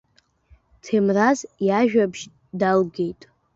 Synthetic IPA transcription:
tʰemrazjaʒᶣabʒ | dalɡe̞jtʼ

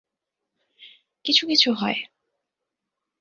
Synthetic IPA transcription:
kit͡ɕʰukit͡ɕʰuɦɔe

